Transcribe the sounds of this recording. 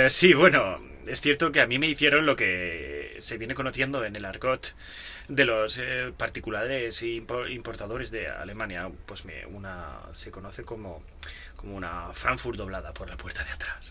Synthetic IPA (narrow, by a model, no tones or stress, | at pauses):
siβwe̞no̞ | e̞sθje̞ɾt̪okeamĩme̞iθje̞ɾo̞nlo̞ke̞se̞βjene̞ko̞noθje̞nd̪o̞ene̞laɾko̞t̪ | d̪e̞lo̞spaɾt̪ikulaɾesimpoimpo̞ɾt̪aðo̞ɾe̞zðe̞̰a̰le̞mãnjapwezmḛuna̰ | se̞ko̞noθe̞ko̞mo | ko̞mouna̰fɾaɱfuɾd̪oβlaðapo̞ɾlapwe̞ɾt̪aðeat̪ɾas